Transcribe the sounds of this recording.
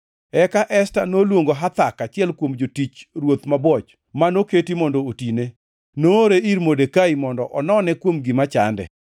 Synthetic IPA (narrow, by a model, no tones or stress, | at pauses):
ɛkaʔɛstanolwoŋɡoɦat̪akat͡ʃɪɛlkwomd͡ʒotit͡ʃɾwot̪mabwɔt͡ʃ | manoketimɔndootine | noɾeiɾmodekaimɔndɔʔɔnɔnɛkwomɡɪmat͡ʃa̰ndɛ̰